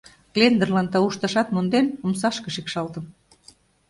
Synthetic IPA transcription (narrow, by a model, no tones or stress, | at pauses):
klend̪ərlɑnt̪ɑuʃt̪ɑ̆ʃɑt̪mond̪enumsɑʃkɤ̆ʃikʃɑlt̪ə̆m